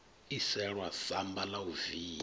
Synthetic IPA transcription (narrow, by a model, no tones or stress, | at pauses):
isɛɺwasambalauviː